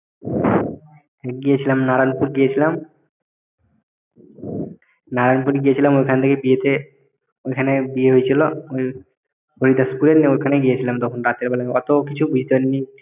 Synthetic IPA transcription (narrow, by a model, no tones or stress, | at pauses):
ɡijet͡ɕʰilamnaɾanpuɾɡijet͡ɕʰilam | naɾanpuɾiɡijet͡ɕʰilamojkʰanet̪ʰekebiet̪e | ojkʰanebieɦojet͡ɕʰilooj | boɾid̪askuleneojkʰaneɡijet͡ɕʰilamd̪ɔkʰonɾat̪eɾbalaɔt̪okit͡ɕʰubud͡ʑʱit̪epaɾini